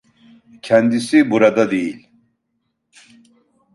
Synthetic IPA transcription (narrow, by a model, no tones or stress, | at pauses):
cʰɛnd̪isibuɾad̪ad̪ejilʲ